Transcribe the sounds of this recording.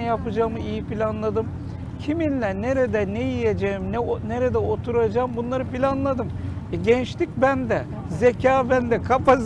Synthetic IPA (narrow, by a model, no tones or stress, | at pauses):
ɛjapɯd͡ʒaːmɯijipilʲanlˠad̪ɯm | cʰiminlʲæneɾed̪ɛnejijed͡ʒejimnɛneɾed̪ɛot̪ʰuɾad͡ʒaːmbunlˠaɾɯpilʲanlˠad̪ɯm | ɛɟɛnt͡ʃt̪ic̚ʲbænd̪ɛ | zecʰaːbænd̪ɛkʰapaz